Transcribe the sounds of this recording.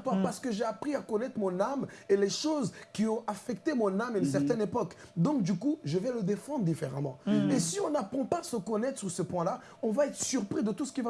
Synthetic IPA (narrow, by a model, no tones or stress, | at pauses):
t̪ɔpaʁsə̥kəʒeapχiakɔnɛt̪χəmɔ̃nameleʃozkʲiɔ̃ʔafɛkt̪emɔ̃namayns̬ɛʁt̪ɛnepɔkd̪ɔ̃k̚d̪ykuʒəvɛləd̪efɑ̃d̪ʁəd̪ifeʁa̰mɑ̃esiɔ̃napχɑ̃paːsəkɔnɛt̪χsyʁsəpwɛ̃la | ɔ̃vaɛt̪χəsyʁpχid̪ət̪usə̥kʲiva